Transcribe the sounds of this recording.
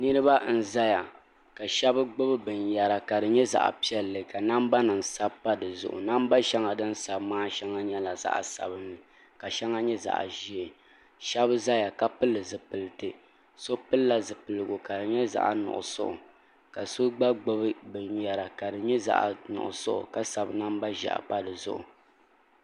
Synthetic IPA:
nɨ˦ɾɨ˦ba˦n̩˦za˦ja˨ | ka˨ʃɛ˦bɨ˦ɡ͡bʊ˦bɨ˦bɨ˨nja˨ɾa˨ka˨dɨ˨ɲɛ˦za̰˨ʔa̰˨pi˦ɛ˦lːɨ˨ka˨na˦mba˦nɨ˨ŋsa˦bpa˦dɨ˨zʊ̰˨ʔʊ̰˨na˦m˦ba˦ʃɛ˦ŋa˨dɨ˦n˦sa˨bmaː˦ʃɛ˦ŋa˦ɲɛ˦la˨za̰˦ʔa̰˨sa̰˨bɨ˦nːɨ˨ | ka˨ʃɛ˦ŋa˦ɲɛ˦za̰˨ʔʒi˦e˨ | ʃɛ˦bɨ˦za˦ja˨ka˦pɨ˦lːɨ˨zɨ˨pɨ˨lɨ˨tɨ˨ | so˦pɨ˦lːa˦zɨ˨pɨ˨lɨ˨ɡo˨ka˨dɨ˨ɲɛ˦za̰˦ʔnʊ̰˨ʔʊ̰˨sʊ̰˦ʔʊ̰˨ | ka˨so˦ɡ͡ba˦ɡ͡bʊ˦bɨ˦bɨ˨ɲja˨ɾa˨ka˨dɨ˨ɲɛ˦za̰˦ʔnʊ̰˨ʔʊ̰˨sʊ˦ʔʊ̰˨ka˦sa˨bna˦mba˦ʒa̰˨ʔa̰˨pa˦dɨ˨zʊ̰˦ʔʊ̰˨

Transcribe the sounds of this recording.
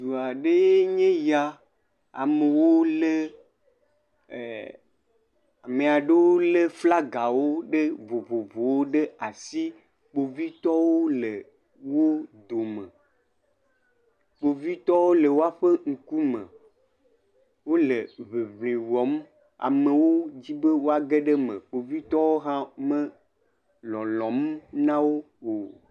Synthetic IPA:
d̪u˨a˨ɖe˦je˦ɲẽ˦ja˦ | a̰˨me˨wo˦le˦˨ | a̰˨me˨a˨ɖe˦wo˦le˦fla˦ɡa˨wo˦ɖe˦vo˨vo˨vo˨wo˦ɖe˦a˨si˦ | k͡po˨vi˦t̪ɔ˦wo˦le˨ | wo˦d̪o˨mẽ˨ | k͡po˨vi˦t̪ɔ˦wo˦le˨wo˦a˦ɸe˦ŋ̩˨ku˦mə̰̃˨ | wo˦le˨βe˨βlĩ˨wɔ˨˦m˦ | a̰˨me˨wo˦d͡ʑi˦be˦wo˦a˨ɡe˦ɖe˦mə̰̃˨k͡po˨vi˦t̪ɔ˦wo˦ɦã˦mə̃˦ | lɔ˨lɔ̃˨m˦nã˦wo˦ | o˨

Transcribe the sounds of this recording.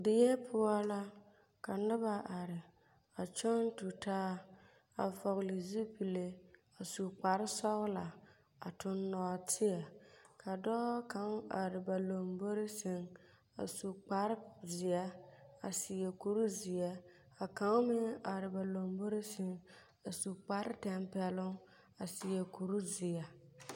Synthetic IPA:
dɪ˨jɛ˦pʰʊ˦a˦la˦ | ka˨nɨ˦ba˦ʔa˨ɾɪ˨ | a˨t͡ʃɔ˦n˦tu˨taː˦ | a̰˨vɔ˨ɣli˨zi˦pi˨le˦ | a˨su˨k͡pa˨ɾɪ˦sɔ˦ɣla˨ | a˨tʊ˦nːɔ˨a˨tʰɪ˦a˨kʰa˨dɔː˦ka˦ŋa˨ɾɪ˨ba˨lo˨mbo˦ɾɪ˦sɪ˦ŋ | a̰˨su˨k͡pa˦ɾɪ˦zɪ˨a˦a˨si˨jɛ˨ku˨ɾu˦zɪ˨a˦ | a˨ka˦ŋ˦mɪ˦a˨ɾɪ˨ba˨lo˨mbo˦ɾe˦sɪ˨ŋ | a˨su˨k͡pa˦ɾɪ˦tɛ˦mpɛ˨lʊ˦ŋ | a˨si˨jɛ˨ku˨ɾu˦zɪ˨a˨

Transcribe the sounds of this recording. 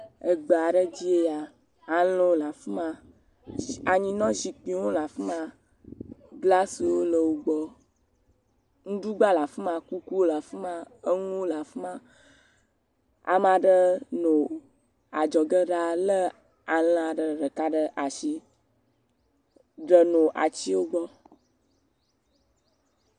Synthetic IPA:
ə˨ɡ͡bə˨a˨ɖə˦d͡ʑi˦e˦ja˨ | a˨lo˦wo˦la˨fi˦mã˦ | a˨ɲĩ˨nɔ̃˦zi˨k͡pĩ˨˦wo˦la˨fi˦mã˦ | ɡla˦swo˦lə˨wo˦ɡ͡bɔ˦ | ŋũ˦ɖu˦ɡ͡ba˦la˨fə˦mã˨ku˦ku˦wo˦la˨fi˦mã˦ə˦ŋũ˦la˨fi˦mã˦ | a̰˨m˦ã˨ɖə˦nõ˨ | a˨d͡ʒɔ˨ɡə˦ɖa˦lə˦ | a˨l̃a˨ɖə˨ɖə˨ka˦ɖə˨ʔa˨ʃi˦ | ɖə˨nõ˨ʔa̰˨t͡ɕi˦wo˦ɡ͡bɔ˦

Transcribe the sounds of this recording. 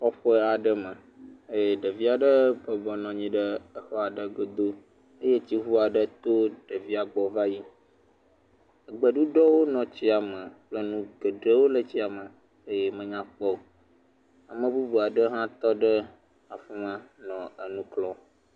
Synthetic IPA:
ɔ˦ɸɔ˦a˨ɖə˦mə˨ | e˦˨ɖə˨vi˦a˨ɖə˦bə˨bɔ˨nɔ̃˨ɲĩ˦ɖə˦ə˦xɔ˦a˨ɖə˦ɡo˨d̪o˦ | ə˦je˦t͡ɕi˦ɦu˦a˨ɖə˦t̪o˦ɖ̥ə˨vi˦a˨ɡ͡bɔ˨va˦ji˦ | ə˨ɡ͡bə˨ɖu˦ɖɔ˦wo˦nɔ̃˨t͡ɕi˦a˨mə˨k͡plə˦nũ˦ɡə˨ɖə˦wo˦lə˦t͡ɕi˦a˨mə˨ | e˦je˦mə̃˨ɲã˦k͡pɔ˦o˨ | a˨mə̃˨bu˦bu˨a˨ɖə˦ɦã˦t̪ɔ˦ɖə˦ | a˨fɛ˦mə̃˦nɔ̃˨ə˨nũ˦klɔ˦

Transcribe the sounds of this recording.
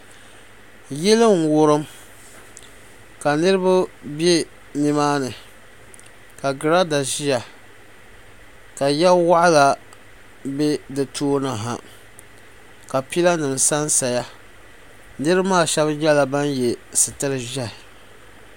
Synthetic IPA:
jɛ˦lɨ˦ŋ˨wʊ˦ɾɨ˦m | ka˨nɨ˦ɾɨ˦ba˦be˦ | ni˨maː˦nɨ˨ | ka˨ɡɨ˨ɾa˦da˨ʒi˦ja˨ | ka˨jɛ˦wa˦ʔla˨ | be˦dɨ˨tʰoː˦na˨ɦa˨ | ka˨pi˦la˦nɨ˨m˨sa˦n˦sa˨ja˦ | nɨ˦ɾmaː˦˨ʃɛ˦bjɛ˦la˨ba˦nje˨sɨ˨tɨ˦ɾɨ˦ʒi˦a˨

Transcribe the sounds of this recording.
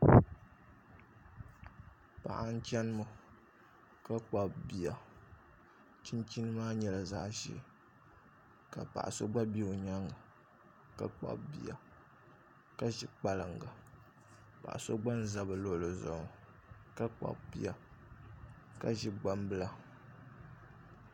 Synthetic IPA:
pa̰˨ʔa˦n̩˦t͡ʃɛ˦nɨ˦mo˨ | ka˦k͡pa˨bbi˨a˨ | t͡ʃi˦nt͡ʃi˦nɨ˦maː˦ɲɛ˨la˨za˦ʔʃḭ˦˨ | ka̰˨pa̰˨ʔa̰˨so˦ɡ͡ba˦bi˦˨o˨ɲa˦ŋa˨ | ka̰˦k͡pa̰˦bbḭ˦˨a̰˨ | ka˦ʒi˦k͡pa˦lɨ˨ŋɡa˨ | pa̰˨ʔa̰˨so˦ɡ͡ba˦n˦za˦bɨ˨lo˦˨lo˨zʊ̰˨ŋ˨ | ka˦k͡pa̰˨bbi˦a˨ | ka˦ʒi˦ɡ͡ba˦mbɨ˦la˦

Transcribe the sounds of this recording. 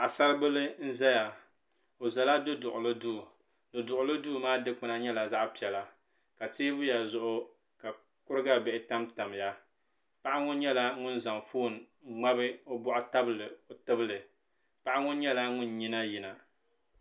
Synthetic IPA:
a˨sa˦ɾɨ˦bɨ˦lɨ˦n̩˦zɛ˦ja˨ | o˨za˨la˦dɨ˦dʊ˨ʔʊ˨lɨ˦duː˦˨ | dʊ˨dʊ˨ʔʊ˨lɨ˦duː˦˨˦maː˦dɨ˦k͡pɨ˦na˦ɲɛ˦la˨za˦ʔpi˨ɛ˨la˨ | ka˨teː˦bʊ˦ja˨zʊ˨ʔʊ˦ | ka˨ | kʊ˦ɾɨ˦ɡa˦bɛ˨ʔɪ˨ta˦mta˨m˨ja˦ | pa˦ʔa˦ŋʊ˦n˦ɲɛ˦la˦ŋʊ˦n˦za˨ŋfoː˦˨n˨˦ | ŋ͡ma˦bɨ˦o˦bɔ˦ʔʊ˦ta˦bɨ˦˨lɨ˨o˨tɨ˦bɨ˦lɨ˨ | pa˦ʔa˦ŋʊ˦n˦ɲɛ˦la˦ŋʊ˦n˨ɲi˦na˦ji˨na˨

